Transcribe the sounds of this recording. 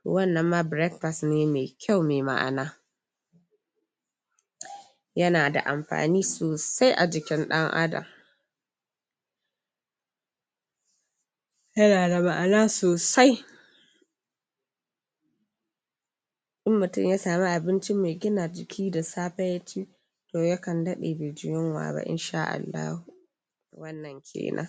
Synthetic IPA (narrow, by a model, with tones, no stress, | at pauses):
to̰ː˨wɐ˦˨nːɐ˨mːaː˦bɾɛ˦k̚ɸa˨sneː˦meː˨kʲʰa˦˨wmeː˨ma̰˦˨ʔa̰˨naː˦ | jɐ˦naː˨da̰˨ʔa˨mɸa̰ː˨niː˦soː˨sa˦jʔa˨d͡ʒɪ˨kʲɪ˦nɗɐ˦ŋʔa̰˦dɐ̰˨m | jɐ˦naː˨da˨ma˨ʔa˨naː˦soː˨sa˦j | ɗɪ˦mːʊ˨tʊ̰˦mjaː˦saː˨mi˦ʔa˨bɪ˦nt͡ʃɪ˦me˨jɡʲɪ˦naː˨d͡ʒɪ˨kʲʰiː˦da˨saː˦ɸɐ˦jɐ˦t͡ʃiː˦ | toː˨ja˦kɐ˨ndɐ˦ɗeː˨be˨d͡ʒɪ˦jɔ˦ŋwa̰ː˨ba̰˦ʔɪ̰˨nʃaː˦ʔa̰˨lːa̰ː˦hu˨ | wɐ˦nːɐ˨ŋkʲʰḛː˨nʔa̰˦